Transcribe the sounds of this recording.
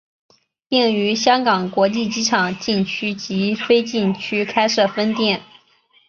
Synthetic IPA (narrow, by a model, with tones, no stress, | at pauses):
pi˥˩ny˧˥ɕjɑ˥ŋkɑ˨˩ŋkwɔ˧˥t͡ɕi˥˩t͡ɕi˥ʈ͡ʂʰɑ˨˩ŋt͡ɕi˥˩nt͡ɕʰy˥t͡ɕi˧˥t̪ʰwe˥ɪt͡ɕi˥˩nt͡ɕʰy˥kʰa˥ɪʂɤ˥˩fə˥nt̪jɛ˥˩n